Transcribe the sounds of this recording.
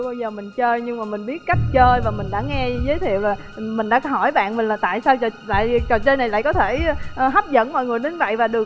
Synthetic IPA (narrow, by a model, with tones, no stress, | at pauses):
wɓaː˧wzəː˨˩mï˨˩ŋ̟t͡ɕəː˧jɲɨ˧ŋmaː˨˩mï˨˩ŋ̟ɓi˦˥ət̚ka˦˥jk̟̚t͡ɕəː˧jvaː˨˩mï˨˩ŋ̟ɗa̰ː˧˥ŋɛ˧zəː˨˦t̪ʰḭ˧˨əwlaː˨˩ | mï˨˩ŋ̟ɗa̰ː˧˥˧hɔ˧˩jɓa̰ː˧˨nmï˨˩ŋ̟laː˨˩t̪a̰ː˧˨jsaː˧wt͡ɕla̰ː˧˨jt͡ɕɔ˨˩t͡ɕəː˧jna˨˩la̰ː˧˨jkɔ˨˦t̪ʰe˧˩˧ʔɦa˦˥p̚zə̰˧˥nmɔ̰˧˨jŋɨ˨˩əjɗə˨˦nvə̰˧˨jvaː˨˩ɗɨ˨˩ək